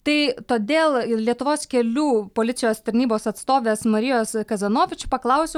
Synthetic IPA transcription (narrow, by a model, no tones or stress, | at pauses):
t̪ɐɪt̪oːd̪ʲeːlˠlʲiɛt̪ʊʋoːskʲɛlʲuːpoːlʲɪt̪sʲɪjoːst̪ɐɾʲnʲiːboːsɐt̪st̪oːʋʲeːsmɐɾʲɪjoːskɐzɐnoːʋʲɪt͡ʃʲʊpɐklˠɐʊsʲɛ